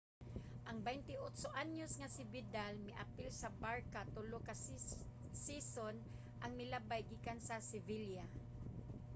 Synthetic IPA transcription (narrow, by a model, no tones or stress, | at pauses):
ʔaŋbɛjnt̪ɪʔot̪soʔaɲosŋasɪbɪd̪almɪʔapɪlsabaɹkat̪oloka | sison | ʔaŋmɪlabajɡiːkansasɪvilja